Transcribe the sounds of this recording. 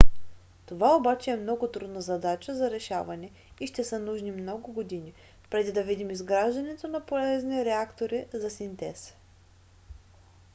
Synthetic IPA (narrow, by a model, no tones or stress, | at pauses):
t̪ovaobat͡ʃɛːmnɔɡʊt̪ɾud̪nəzɐd̪at͡ʃəzɐɾɛʃavɐnɛ | iʃt̪ɛsənuʒnimnɔɡʊɡod̪ini | pɾɛd̪id̪ɐvid̪imizɡɾaʒd̪ɐnɛt̪onɐpolɛzniɾɛakt̪oɾizɐsint̪ɛs